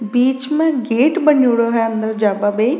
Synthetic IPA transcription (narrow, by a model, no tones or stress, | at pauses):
biːt͡ʃmɛ̃ɡeːʈbəɳjoːɽoːɦɛənd̪əɾd͡ʒaːbaːbei